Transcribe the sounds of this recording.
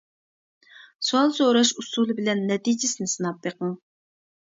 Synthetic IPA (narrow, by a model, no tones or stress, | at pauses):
suɑlˠsoɾɑʃusulˠɨbɪlɛnːɛt̪id͡ʒɪsɪnɪsɨnɑp̚b̪eqəŋ